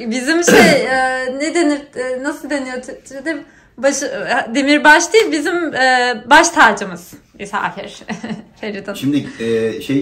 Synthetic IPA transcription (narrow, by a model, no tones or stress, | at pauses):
bizimʃejɛned̪eniɾnasɯlˠd̪e̞nijot̪ʰyt̪ʰiɾid̪ɛ | baʃd̪emiɾbaʃt̪ijlʲbizimɛːbaʃt̪ʰaːd͡ʒɯmɯz̥mesa̰ːfḭɾ̥feɾit̪ʰaʃimd̪iɛʃej